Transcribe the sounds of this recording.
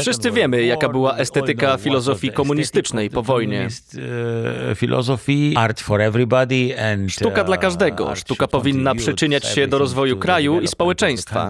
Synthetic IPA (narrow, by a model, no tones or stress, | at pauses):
fʂɨst̪sɘvʲjɛmɘjakabɘwaʔɛst̪ɛt̪ɘkafʲilɔzɔfʲikɔmuɲist̪ɘt͡ʂnɛjpɔvɔjɲɛ̰st̪ | fʲilʔɔ̰zɔfiaɾt̪fɔɾɛvɾibad̪iɛ̃nʂtt̪ukad̪lakaʐd̪ɛɡɔ̰ʂt̪ukapɔvʲinːaʂɘt͡ʂɘɲat͡ɕɕɛd̪ɔɾɔzvɔjukɾajuispɔwɛt͡ʂɛj̃st̪fa̰